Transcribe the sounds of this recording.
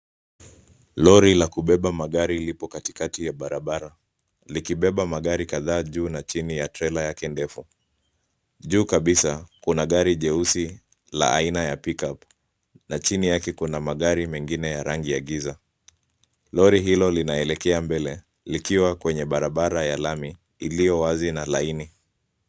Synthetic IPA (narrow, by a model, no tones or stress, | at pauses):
lɔɾilakuɓɛɓamaɠaɾilipɔkati̥katijaɓaɾaɓaɾa | likiɓɛɓamaɠaɾikaðaːʄuːnat͡ʃinijatɾɛlajakɛndɛfu | ʄuːkaɓisakunaɠaɾiʄɛusi | la̰a̰inajapikap | nat͡ʃinijakɛkunamaɠaɾimɛŋɡinɛjaɾaŋɡiaɠiza | lɔɾiɦilɔlinaɛlɛkɛambɛlɛ | likiwakwɛɲɛɓaɾaɓaɾajalamiː | lijɔwazinalaini